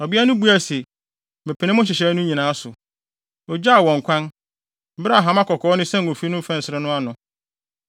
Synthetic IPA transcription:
ɔ˨bɪ˦a˦nʊ̃˦bu˦æ˨se˨ | mɛ̃˨pʰæ˨nɪ̃˦mʊ̃˦ɕ̬ɪ˨ɕɛ˨˦nʊ̃˦ɲĩ˨nãː˨˦sʊ˨ | ɔ˨d͡ʑa˦a˨wɔ̃˨ŋ˨kʷʰã˦n̩˦ | bɾa˨ɦã˨˦ma˦kʰɔ˨kʰɔː˨˦nɪ̃˦sɛ̃˦˨o˨fi˦nʊ̃˦fɛ̃˦˨n˨sɪ˨ɾɛ˦nʊ̃˦a˦nʊ̃˨

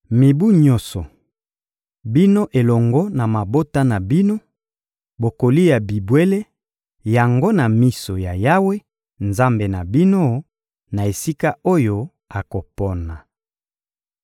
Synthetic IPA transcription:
mi˨bu˦ɲɔ̃˦sɔ˨ | bi˦no˦ʔe˨lɔ˨ŋɡɔ˦na˨ma˨bo˦ta˦na˨bi˦no˦ | bo˨ko˨li˦ja˨bi˨bwe˦le˦ | ja˨ŋɡo˦na˨mi˦so˨ja˨ja˦we˦ | nza˦mbe˨na˨bi˦no˦ | na˨e˨si˦ka˦o˦jo˦ | a˨ko˨pɔ˦na˨

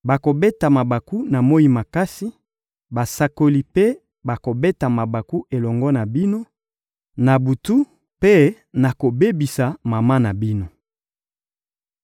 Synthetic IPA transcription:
ba˨ko˨be˦ta˨ma˨ba˨ku˦na˨mo˦i˦ma˨ka˦si˦ | ba˨sa˨ko˨li˨pe˦ | ba˨ko˨be˦ta˨ma˨ba˨ku˦e˨lɔ˨ŋɡɔ˦na˨bi˦no˦ | na˨bu˨tu˦ | pe˦ | na˨ko˨be˦bi˨sa˨ma˨ma˦na˨bi˦no˨

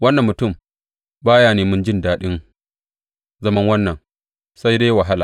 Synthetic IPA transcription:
wɐ˦nːɐ˨mːʊ˨tʊ˦˨m | baː˦jaː˨neː˨mʊ˦nd͡ʒɪ˦˨ndaː˦ɗɪ˦ŋ | zɐ˦mɐ˦ŋwɐ˦nːɐ˨ŋ | sa˦jdeː˦wa˨ɦa˦laː˨

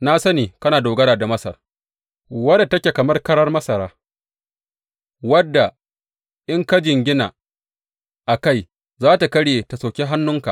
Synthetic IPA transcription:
na˦sɐ˦niː˨kɐ˦naː˨doː˨ɡɐ˦ɽaː˨da˨mɐ˦sɐ̰˨r | wɐ˦dtɐ˦kʲe˨kɐ˨mɐ˦rkɐ˦ɽɐ˦rmɐ˦sɐ˨ɾaː˦ | wɐ˦dːa˨ | ʔɪ˦ŋkɐ˦d͡ʒɪ˨ŋɡʲɪ˦na̰˨ | ʔa˨ka˦˨j | zaː˦ta˨kɐ˦ɽje˨ta˨sa˨kʲe˦ɦa˦nːʊ˦ŋka̰˨

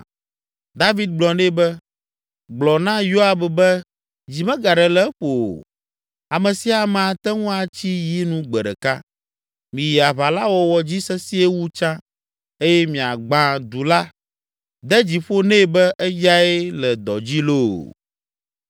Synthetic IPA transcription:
d̪a˦vi˦d̪̚ɡ͡blɔ˨nɛ̃˦bɛ˦ | ɡ͡blɔ˨nã˦jo˦a˨bɛ˨bɛ˦ | d͡ʑi˨mɛ̃˦ɡa˨ɖɛ˨lɛ˦ɸo̰˨ | a˨mɛ̃˨si˦a˨mɛ̃˨a˨t̪ɛ˦ŋũ˦a˨t͡ɕi˦ji˦nũ˦ɡ͡bɛ˨ɖɛ̰˨ka˦ | mĩ˨ja˨βa˨la˦wɔ˦wɔ˨d͡ʑi˦sɛ˦si˦e˦wu˦t͡ʃã˦ | e˦jɛ˦mĩ˨a˨ɡ͡bã˨d̪u˨la˦ | d̪ɛ˦d͡ʑi˨ɸo˦nɛ̃˦˨bɛ˦ʔɛ˦ja˦ɛ˦lɛ˨d̪ɔ̰˨d͡ʑi˦lo̰˦˨

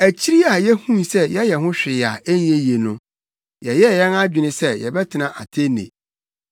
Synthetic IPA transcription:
æ˨t͡ɕʰi˦ɾi˦a˨jɛ˦hũ˦n˨sɛ˦jɛ˦jɛ˨ɦʊ̃˦ɕᶣɪ˨a˨ɛ˦n˦je˦je˨nʊ̃˦ | jɛ˨jɛ˦˨jɛ˦na˦d͡ʑᶣɪ˨nɪ̃˦sɛ˦jɛ̰˨bɛ˦tʰɪ˨nã˦˨ʔa̰˨tʰe˦nḛ̃˨

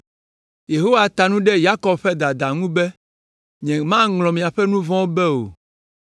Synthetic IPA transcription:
je˨ɦo˦wa˨t̪a˨nũ˦ɖɛ˦ja˦kɔ˨bɸɛ˦d̪a˨d̪a˨ŋũ˦bɛ˦ | ɲɛ̃˨mã˦ŋlɔ̃˨mĩ˨a˨ɸɛ˦nũ˦vɔ̃˦wo˦bɛ˦o̰˨

